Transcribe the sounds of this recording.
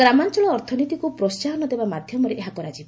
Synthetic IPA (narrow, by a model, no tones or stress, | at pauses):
ɡɾamant͡ʃɔɭɔːɾt̪ʰɔnit̪ikupɾɔst͡ʃaɾɔnɔd̪ebamad̪ʱjɔmɔɾeʔeɦakɔɾad͡ʒib